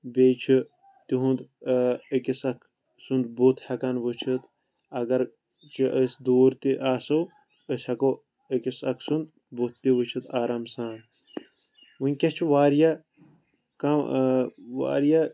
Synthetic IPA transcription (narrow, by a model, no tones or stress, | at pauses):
bʲeːt͡ʃʰi | t̪iɦũnd̪əkisɐkʰ | sund̪but̪ʰhɐkɐnʋɨt͡ʃʰɨt̪ | ɐɡɐɾ | t͡ʃʰiʔəsd̪uːɾt̪iʔaːsɐw | əsʲɐko | əkisɐkʰsund̪ | but̪ːiʋɨt͡ʃʰɨt̪ʰaːɾamsaːn | ʋunʲkʲɐt͡ʃʰiʋaːɾja | kam | ʋa̰ːɾja